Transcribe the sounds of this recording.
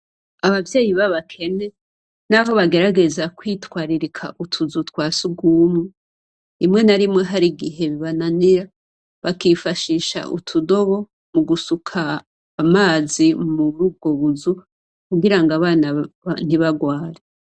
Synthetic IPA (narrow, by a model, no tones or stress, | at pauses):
aβavje̞ːjiβaβakʰe̞ne̞ | naɦo̞βaɡe̞ɾaɡe̞zakwiːtwaːɾiɾikʰa̰ʔutʰuzutwaːsuɡuːmŋe | imŋe̞naɾimŋe̞ɦaɾiɡiɦe̞βiβananiɾa | βakiːfaʃiːʃa̰ʔṵtʰudo̞βo̞ | muɡusukʰaː | maːzimuɾuːb̚ɡo̞βuzu | kuɡiɾaŋɡaβaːnan̥iβaɡwaːɾe